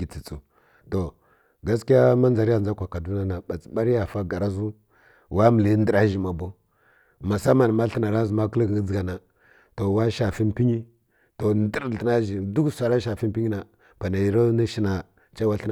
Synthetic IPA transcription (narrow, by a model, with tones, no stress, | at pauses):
ɡi˨t͡si˨t͡su˨ | to˨ | ɡa˦ski˦ja˦ma˦nza˨ɾi˦ja˦˨a˦kʷa˨ka˨du˦n˦a˦na˨ba˨t͡si˨ɓa˦ɾi˦ja˨fa˦ɡa˨ɾa˦zu˦ | wa˦mi˨li˨˦ndə˨ɾa˦ʒi˨ma˨bo˦ | ma˨sa˦ma˨n˨ma˦ɬə˦na˨ɾa˦zu˨ma˦kə˦lɡd͡zɡa˨na˨ | to˨wa˦ʃa˨fi˦npi˦ɲi˦ | to˨ndi˦ɾə˦na˦ʒi˨du˦ksʷa˨ɾa˦ʃa˨fi˦m˦pi˦ɲi˦na˨ | pa˨na˨ji˨ɾo˦ni˦ʃi˦na˨ | t͡ʃa˦wa˦ɬə˦n˨